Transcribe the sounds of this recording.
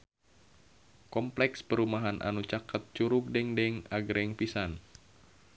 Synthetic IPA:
kɔmplɛkspəɾumaɦanʔa̰nut͡ʃakət̪̚t͡ʃuɾuk̚dɛŋdɛŋaɡɾɛŋpisan

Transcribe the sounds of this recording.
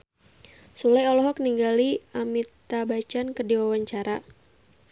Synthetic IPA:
sulajɔlɔɦɔkniŋɡaliamit̪abat͡ʃankərdiwawaɲt͡ʃaɾa

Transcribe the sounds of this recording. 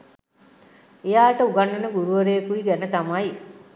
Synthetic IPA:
ejaːʈəuɡɐɳːɐnɐɡuɾuʋɐɾeːkuiɡɛnet̪amɐi

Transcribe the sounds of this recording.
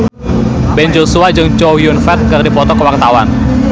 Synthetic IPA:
bɛnd͡ʒosuad͡ʒɨŋt͡ʃojʊnfɛt̪̚kɨrdipɔt̪ɔkəwak̚t̪awan

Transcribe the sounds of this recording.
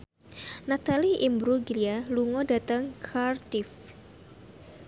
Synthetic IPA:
nat̪aliʔimbɾuɡlialuŋɔdat̪aŋkʰart̪if

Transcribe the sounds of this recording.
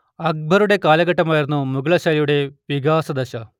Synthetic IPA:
ɐɡ̚bʱɐɾuɽe̞kaːlɐɡɐʈːɐmaːjiɾunːumuɡɐɭɐɕaːlijuɽe̞ʋiɡaːsɐd̪ɐɕɐ

